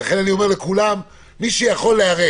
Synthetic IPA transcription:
aχe̞nanio̞me̞ʁlekulam | miʃejaχo̞lːeaʁe

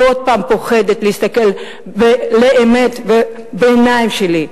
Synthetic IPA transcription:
od̪̚paːmpoxed̪et̪leist̪akel | veleʔemet̪ve | beːnaimʃeli

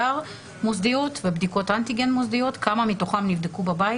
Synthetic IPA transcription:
aʁ | mozd̪io̞t̪vebd̪iko̞t̪ant̪iɡenmozd̪io̞t̪kamamit̪o̞χamnivd̪ekubabaj

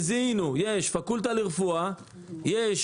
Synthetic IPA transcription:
zinujeʃfakult̪aliʁefua | jeʃ

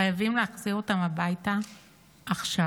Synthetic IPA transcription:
ajavimleaχziʁo̞tamabajta | ʔːχʃa

